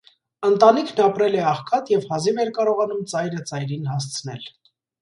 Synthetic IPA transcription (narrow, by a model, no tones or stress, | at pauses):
ənt̪ɑnikʰnɑpɾɛlɛɑχkʰɑt̪jɛvhɑzivɛɾkɑɾɔʁɑnumt͡sɑjɾət͡sɑjɾinhɑst͡sʰnɛ̰l